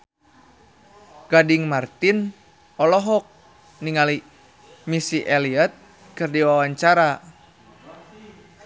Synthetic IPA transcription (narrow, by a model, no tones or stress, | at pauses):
ɡ̥adiŋmart̪in | ɔlɔɦɔk̚ | niŋali | misiʔɛliat̪̚ | kɨrdiwawaɲt͡ʃaɾa